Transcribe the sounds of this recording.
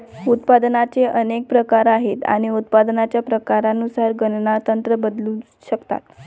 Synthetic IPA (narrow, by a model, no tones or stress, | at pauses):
ut̪pad̪nat͡seʔənek̚pɾəkaɾaɦet̪a̰ɽ̃iut̪̚pad̪nat͡ɕjapɾəkaɾanusaɾɡənnat̪ənt̪ɾəbəd̪lu | ɕəkt̪a̰t̪